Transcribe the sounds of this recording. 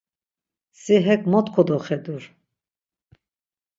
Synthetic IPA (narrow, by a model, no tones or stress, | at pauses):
siɦɛkmɔt̪kʰɔd̪ɔχɛd̪uɾ